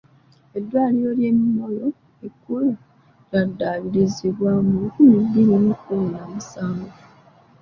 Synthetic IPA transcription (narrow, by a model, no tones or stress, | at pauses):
e̞dːwaːljo̞lje̞mːo̞jo̞ | ekːula | ladːaːβiɾiziβwamukumidːiɾemikulnamisaːŋɡo